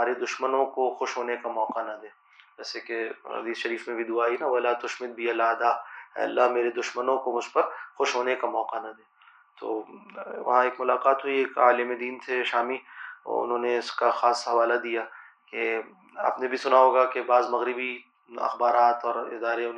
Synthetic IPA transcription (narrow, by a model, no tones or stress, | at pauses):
aːɾed̪ʊʃmənõkoxʊʃɦoːnekamɔːqanɐd̪eː | d͡ʒɛːsekeɦɐ̰d̪iːsʃɐɾiːfmẽbʱid̪ʊaːinaʋɐlaːt̪ʊʃmɪd̪̚bʱiɐlaːd̪aːɛ̰ːɐ̰lːameːɾed̪ʊʃmənõkomʊd͡ʒʱpɐɾxʊʃɦoːnekamɔːqanɐd̪eː | t̪o̰ːʋɐ̰ɦãeːkmʊlaːqaːt̪ɦuieːka̰ːlɪmed̪iːnt̪ʰeʃaːmḭʊ̰nɦõːneɪskaxaːsɦɐʋaːlad̪ijaː | ke | a̰ːpnebʱisʊnaɦoːɡakebaːzmɐɣɾɪbi | ɐ̰xbaːɾaːt̪ɔːɾɪ̰d̪aːɾeʊn